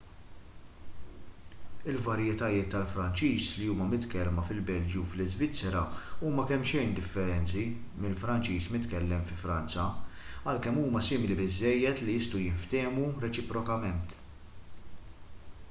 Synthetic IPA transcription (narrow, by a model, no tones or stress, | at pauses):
ɪlvɐɾjɛt̪ɐjɪːt̪ːɐlfɾɐnt͡ʃiːsliuːmɐmɪt̪kɛlmɐfɪlbɛld͡ʒjuflɪzvɪt͡sːɛɾɐuːmɐkɛmːʃɛjnd̪ɪfːɛɾɛnt͡simɪlfɾɐnt͡ʃiːsmɪt̪kɛlːɛmfɪfɾɐnt͡sɐɐlkɛmːuːmɐsɪːmɪlibɪzːɛjːɛt̪liɪst̪ujɪɱft̪ɛːmuɾɛt͡ʃɪpɾɔkɐmɛnt̪